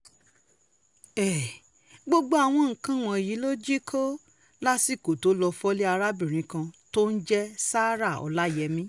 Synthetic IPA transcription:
ɛ˨ | ɡ͡bo˦ɡ͡bo˦a˧˨w̃ɔ̃˧ŋ̩˨˦kã˦˨w̃ɔ̃˧˨ji˨˦lo˦d͡ʒi˦kʰo˦ | la˦si˦˨ko˨to˨˦lɔ˧fɔ˦li˦a˧ɾa˦bĩ˦˨ɾ̃ĩ˨˦kã˧to˦n̩˦d͡ʒɛ˦saː˦ɾa˦˨ɔ̰˨˧la˦˨jɛ˧˦mĩ˦

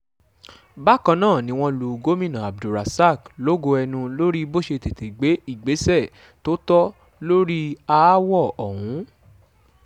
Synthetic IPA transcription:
ba˦˨kã˧nãː˦˨nĩ˧˦w̃ɔ̃˧lu˨ɡo˦mĩ˦˨nã˨a˨b̚du˨ɾa˨sa˦˨klo˦ɡo˧ɛ˧nũ˧lo˦ɾi˦bo˦˨ʃe˧te˨te˨ɡ͡be˨˦i˦˨ɡ͡be˨˦sɛ˦˨ | to˦tɔ˦ | lo˦ɾi˦a˧˦wɔ˦˨ɔ˨ɦũ˨˦

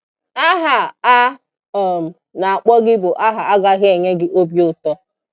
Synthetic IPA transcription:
a˦ɦa˨a˦˨ | m̩˨ | na˨a˨k͡pɔ˦ɡɪ˦bʊ˨ʔa˦ɦa˨a˦ɡa˦ɦɪ˦e˨ɲe˦ɡɪ˦ʔo˦bjʊ˦tɔ˦

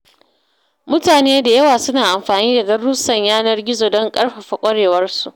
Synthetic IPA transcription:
mʊ˦taː˨neː˦da˨jɐ˦waː˨sʊ˦naː˨ʔa˨mɸaː˨niː˦da˨ɡɐ˦ru˦sɐ˨ɲjaː˦nɐ˦rɡʲɪ˦zoː˨dɔ˦ŋkʼɐ˦rɸa˨ɸa˨kʷʼɐ˦ɽeː˨wɐ˦rsu˨ʔ

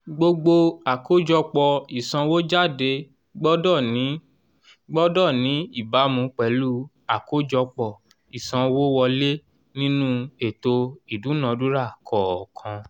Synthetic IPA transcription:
ɡ͡bo˧ɡ͡bo˧a˨ko˦d͡ʒɔ˧k͡pɔ˧˨i˨sã˧wo˦d͡ʒa˦˨de˧ | ɡ͡bɔ˦dɔ˦˨˦ | ɡ͡bɔ˦dɔ˦˨nĩ˨˦i˦˨ba˨˦mũ˧˦k͡pɛ˨˦lu˦ | a˨ko˦d͡ʒɔ˧k͡pɔ˧˨ | i˨sã˧wo˦wɔ˧le˦ | nĩ˦nũ˦e˨to˧i˨du˨˦nã˨˧du˦ɾa˦˨kʰɔ˨kʰã˧

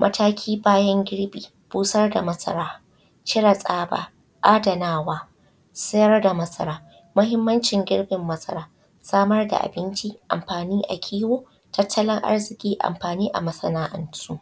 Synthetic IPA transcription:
mʔɐ̰˦tʰaː˦kʲʰiː˦baː˦jɐ˦ŋɡʲɪ˦ɽbiː˨ | b̥uː˦sɐ˦rda˨mɐ˦sʼɐ̰˦ɾaː˦ | t͡ʃɪ˦ɽa˨sʼaː˦ba̰ː˨ | ʔaː˦dɐ˨naː˦waː˦ | sɪ˦jɐ˦rda˨mɐ˦sɐ˦ɾaː˦ | mʊ˦ɦɪ˦mːɐ˦nt͡ʃɪ˨ŋɡʲɪ˦ɽbɪ˨mːɐ˦sɐ̰˦ɾaː˦ | saː˦mɐ˦rda̰˨ʔa̰˨bɪ˦nt͡ʃi˦ʔa̰˨mɸaː˨niː˦ʔa̰˨kʲʰiː˦woː˦ | tɐ˦tʰːɐ˦lɪ˦ŋʔa̰˦rzɪ˨kʲʼiː˦ʔa̰˨mɸaː˨niː˦ʔa̰˨mɐ˦sɐ˦naː˦ʔɐ̰˨˦nsuː˦ʔ

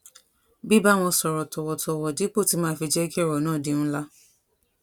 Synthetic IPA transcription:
bi˦ba˦˨w̃ɔ̃˧sɔ˨ɾɔ˨tɔ˨wɔ˨tʰɔ˧wɔ˨di˨˦k͡po˦˨ti˧mãː˦˨fi˧d͡ʒɛ˦ki˦ɛ˦˨ɾɔ˨nãː˦˨di˨˦nũ˦la˦

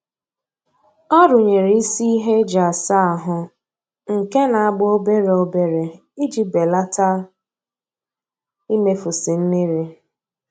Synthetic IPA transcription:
ɔ˦ɾʊ˨ɲe˨ɾi˨˦i˦si˦i˦ɦe˦d͡ʒa˨sa˦a˨ɦʊ˨ | ŋ̩˨ke˦na˨a˦˨ɡ͡bʊ˦o˦be˦ɾe˨o˦be˨ɾe˨ | i˦d͡ʒi˦be˨la˦ta˦ | i˦me˦fʊ˨si˨n̩˦ni˦ɾi˦

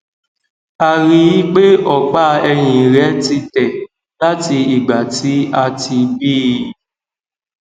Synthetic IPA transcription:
a˨ɾi˨ji˦k͡pe˦ʔɔ˨k͡pa˦ɛ˧ɲ̃ĩ˨ɾɛ˨˦ti˧tɛ˨ | la˦ti˧i˨ɡ͡ba˨ti˦a˧ti˧bi˦

